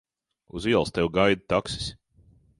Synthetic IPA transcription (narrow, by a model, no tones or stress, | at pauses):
uziɛlˠst̪ɛwɡajd̪̚t̪aksi̥s